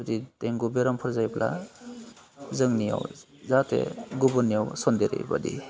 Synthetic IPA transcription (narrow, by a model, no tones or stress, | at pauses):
did̥ejŋɡubeɾampʰɯɾzajblʔa̰ | zɯŋnija̰w | zatʰḛɡubɔnːijawsɔndeɾḛba̰dḭ